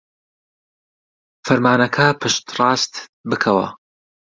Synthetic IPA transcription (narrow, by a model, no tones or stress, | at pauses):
fɐɾmaːnɐkʰɐpʰɨʃt̪rɑːst̪bɨkʰɐwɐ̰